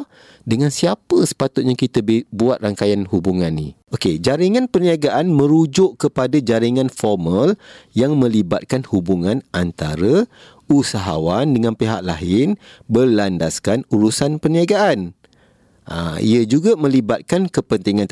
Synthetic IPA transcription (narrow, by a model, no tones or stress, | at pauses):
dəŋãnsiapəsə̥pat̪ʊt̪̚ɲakit̪əbbuat̪̚raŋkajanhubuŋãnːḭ̃ | oked͡ʒaɾiŋãnpəniaɡaʔanmə̃ɾud͡ʒʊʔkəpadad͡ʒaɾiŋãnfɔrməljaŋmə̃libat̪̚kanhubuŋãnʔant̪a̰ɾə | usaɦawandəŋãnpeɦaʔlaɦɪnbəlandaskanuɾusanpəniaɡaʔan | ʔa̰ḭəd͡ʒuɡamə̃libat̪̚kankəpənt̪iŋãnt̪